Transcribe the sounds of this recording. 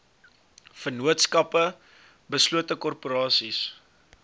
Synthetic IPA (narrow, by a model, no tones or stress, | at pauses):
fərnuətskɐpə | bəsluətəkɔrpuɾɑːsis